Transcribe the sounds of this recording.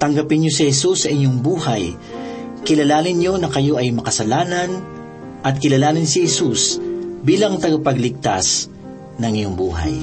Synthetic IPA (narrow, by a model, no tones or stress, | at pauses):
t̪ɐŋɡɐpɪnjosɪhɛsusːɐʔɪɲoŋbuːhɐj | kɪlɐlaːnɪnɲo̞nɐkɐjo̞ʔɐjmɐkɐsɐlaːnɐn | ʔɐt̪̚kɪlɐlaːnɪnsɪhɛsusbiːlɐŋt̪ɐɡɐpɐɡlɪɡ̚t̪a̰s | nɐŋɪɲoŋbṵːɦa̰j